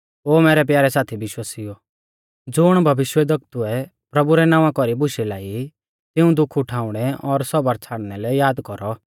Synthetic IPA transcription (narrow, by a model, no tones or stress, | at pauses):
oːmɛːɾɛp̬jaːɾɛsaːt̪ʰibɪʃwasijɔ | d͡zʊɽ̃bʱɐʋɪʃwɛd̪ɐk̚t̪uɛ | pɾɐbuɾɛnãːʋãkɔɾibʊʃilaːi | t̪ɪũd̪ʊkʰʊʈʰaːʊɽ̃ɛɔɾsɔbɐɾt͡sʰaːɽnɛlɛjaːd̪kɔɾɔ